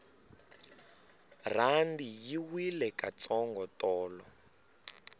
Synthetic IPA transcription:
r̤andijiwilɛkat͡sɔŋɡɔtɔːlɔ

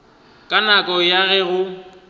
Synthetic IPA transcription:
kʼanakʼɔjaɣɛɣʊ

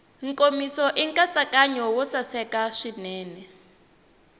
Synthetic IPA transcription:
ŋkʼomisɔʔiŋkʼat͡sʼakʼaɲɔwɔsasɛkaʂinɛːnɛ

